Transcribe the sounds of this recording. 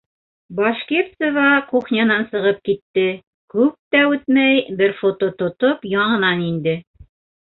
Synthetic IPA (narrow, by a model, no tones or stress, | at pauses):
bɑʃkeɾt̪sovɑquχnʲɑnɑnsɤ̆ʁɤp̚kit̪ːɘ | kʉp̚t̪æʉt̪mæjbɘɾfot̪ot̪ŏt̪opjɑɴɤ̆nɑnind̪ɘ